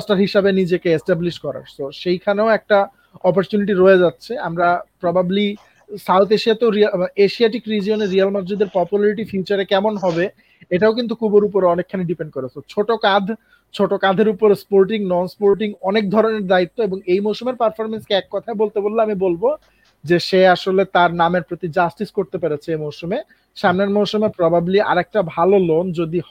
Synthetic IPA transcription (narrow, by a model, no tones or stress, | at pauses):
sʈaɾɦiʃabenid͡ʑekeesʈabliʃkɔɾa̰ɾsoʃejkʰaneoɛk̚ʈa | ɔpoɾt͡ɕuniʈ̬iɾoed͡ʑatːɕʰiamɾapɾɔbʱabli | sawt̪ʰeʃiat̪eɾiaeʃiaʈikɾid͡ʑioneɾialmaɾd͡ʑud̪eɾpɔpjulaɾiʈifiut͡ɕaɾekɛmonɦɔbe | eʈaok̬int̪ukʰuboɾup̬oɾeɔnekʰːaneɖipeɳɖ̚koɾesʰot͡ɕʰoʈokad̪ʱ | t͡ɕʰoʈokad̪ʱeɾupoɾespoɾʈiŋnɔnspoɾʈiŋɔnek̚d̪ʱɔɾoneɾd̪ait̪ːoeboŋejmowʃumeɾpaɾfoɾmenskeɛkːɔt̪ʰaebolt̪ebolːeamibolbo | d͡ʑeʃeaʃolet̪aɾnameɾpɾot̪id͡ʑasʈiskoɾt̪epeɾet͡ɕʰeemowʃume | ʃamneɾmowʃumepɾɔbʱabilia̰ɾɛk̚ʈabʱalolond͡ʑod̪i